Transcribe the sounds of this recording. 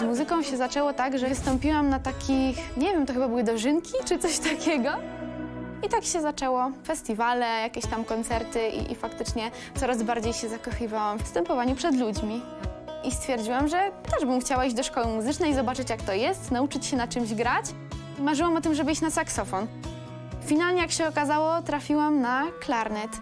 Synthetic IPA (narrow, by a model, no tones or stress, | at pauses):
zmuzɘkɔ̃w̃ɕɛzat͡ʂɛwɔt̪aɡʐɛvst̪ɔmpʲiwamnat̪akʲixɲɛvʲjɛmt̪ɔxɘbabɘwɘd̪ɔʐɘŋkʲit͡ʂɨt̪sɔɕt̪akʲʰɛɡɔ | it̪akɕɛzat͡ʂɛwɔfɛst̪ʲivalɛjakʲeɕt̪amkɔnt̪sɛɾt̪ɘʔḭʔḭfakt̪ɘt͡ʂɲɛ | t̪sɔɾazbaɾd͡ʑejɕɛzakɔxɨvawamfst̪ɛmpɔvaɲupʂɛd̪lud͡ʑmʲi | ist̪fʲjɛɾd͡ʑiwamʐɛt̪ɛʐbɘmxt͡ɕawaid͡ʑd̪ɔʂkɔwɘmuzɘt͡ʂnɛjizɔbat͡ʂɘt͡ɕjakt̪ɔjɛst̪naut͡ʂɘt͡ɕɕɛnat͡ʂɘmʑɡɾat͡ɕ | maʐɨwamɔt̪ɘmʐɛbɘit͡ɕnasaksɔfɔn | fʲinalɲɛjakɕɛɔkazawɔt̪ɾafʲiwamnaklaɾnɛt̪